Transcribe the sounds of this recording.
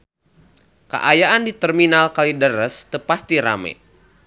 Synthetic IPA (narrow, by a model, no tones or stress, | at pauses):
kə̰ʔajaʔandit̪ərminalkalidəɾəst̪əpast̪iɾa̰mɛ̰